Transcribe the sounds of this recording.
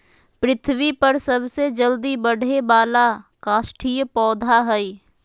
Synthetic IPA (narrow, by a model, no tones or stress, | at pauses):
pɾɪt̪ʰwipəɾsəbsed͡ʒəld̪ibəɽʱebaːlakaːʃʈʰijəpɔːd̪ʱaɦəi